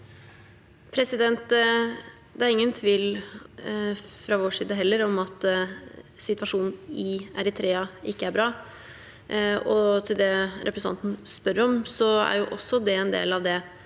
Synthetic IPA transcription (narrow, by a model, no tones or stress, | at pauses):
pʰɾɛsɪd̪ɛnt̪ | d̪ɛæɾɪŋːənt̪ʰʋiːl | fɾɑoːʂiːd̪əɦɛlːəɾɔmɑt̪ | sɪt̪ʋɑʂuːnn̩ɪæɾɪt̪ʰɾeːɑʔɪkːəæɾbɾɑː | ɔt̪ʰɪld̪ɛɾʔɛpɾɛsɑ̰nt̪n̩spœɾəɾɔmsɔæ̰ɾjʊʔɔsːɔd̪ɛɛnd̪ḛːlɑʋd̪ɛ